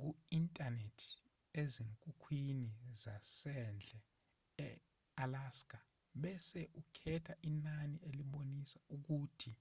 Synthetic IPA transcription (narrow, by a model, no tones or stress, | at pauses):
k̬uintʼanetʰi̥ | eziŋkʼukʰwinizasɛnd͡ɮʱɛ | ɛ | alaskʼa | ɓɛsɛʔukʰɛtʰaʔinanieliɓonisauk̬uːtʰi